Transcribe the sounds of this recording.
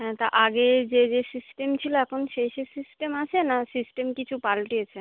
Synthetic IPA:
ɦɛ̃t̪aɾʔaɡed͡ʑed͡ʑesisʈemt͡ɕʰiloɛkʰonʃejʃesisʈemat͡ɕʰenasisʈemkit͡ɕʰupalʈiet͡ɕʰe

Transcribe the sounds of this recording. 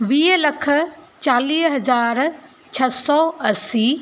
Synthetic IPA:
ʋiːɦlɐkʰ | t͡ɕaːliːsɦɐzaːɾ | t͡ɕʰɐsɔːɐsiː

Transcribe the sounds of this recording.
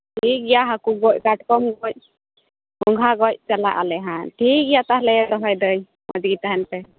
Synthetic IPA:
ʈʰik̚ijaɦakuɡɔc̚kaʈkɔmɡɔc̚ | ɡɔŋɡʱaɡɔc̚t͡ʃalaʔa̰lɛɦãʈʰik̚ɡijat̪ahlɛd̪ɔɦɔjd̪əɲ | mɔ̰d͡ʒɡit̪aɦɛnpɛ

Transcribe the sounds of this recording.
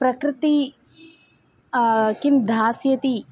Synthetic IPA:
pɾɐkɾɪt̪i | kimd̪ʱaːsjɐt̪i

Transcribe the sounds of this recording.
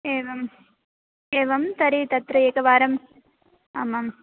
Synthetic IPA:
eːʋɐm | eːʋɐmt̪ɐɾit̪ɐt̪ɾɐeːkɐʋaːɾɐm | amɐm

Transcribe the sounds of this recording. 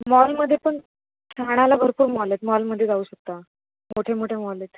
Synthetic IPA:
mɔlməd̪ʱjepəɳ | tʰaɽ̃alabʱəɾpuːɾmɔlet̪mɔlməd̪ʱːjed͡zauːɕək̚t̪a | moʈʰemoʈʰemɔlet̪

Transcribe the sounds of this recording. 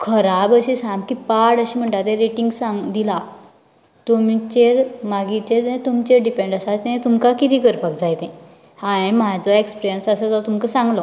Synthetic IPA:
kʰəɾabəɕisãmbkipaɽəɕim̤əɳʈat̪ẽɾeʈiŋɡsãŋɡd̪ila | t̪umit͡ɕeɾmaɡit͡ɕeɾẽt̪umt͡ɕeɾɖipẽɳɖəsat̪ẽt̪umkakit̪ikəɾpak̚d͡zajt̪ɛ̃ | hãẽmad͡zɔekspiɾijənsəsət̪ɔt̪umkəsãŋɡlɔ

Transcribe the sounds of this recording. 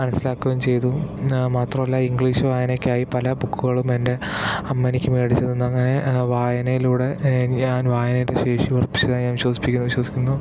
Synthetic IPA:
mɐnɐsːilaːkːuʋɐmt͡ɕe̞jt̪umaːt̪rɐmɐlːaiŋɡɭiːʂʋaːjɐnokʲːaːjipɐlɐbukːuɣɐɭumende̞ɐmːɐnikʲːumeːɽit͡ɕːɐðunːuɐŋːɐne̞ʋaːjɐnɐjiluːɽe̞ɲaːnʋaːjɐnɐjiɾeɕe̞ːʂiʋɐrpːi̥t͡ɕːɐðaːnɲaːnʋiɕwɐd̪si̥pːikʲːunːuʋiɕwɐsikʲːunːu

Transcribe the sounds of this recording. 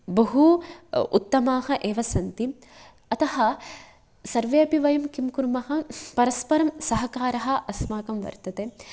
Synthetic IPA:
bɐɦuṵt̪ːɐmaːɦɐ̆ʔeːʋɐsɐnt̪i | ɐt̪ɐɦɐ̆ | sɐɾʋeɐbiʋɐjɐmkimkuɾmɐɦɐpɐɾɐspɐɾɐmsɐɦɐkaːɾɐɦɐ̆ʔɐsmaːkɐmʋɐ̰ɾt̪ɐt̪eː

